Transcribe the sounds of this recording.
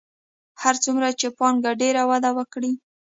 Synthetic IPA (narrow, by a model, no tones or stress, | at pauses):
haɾt͡sumɾat͡ʃepɑnɡaɖeɾawad̪awəkɽi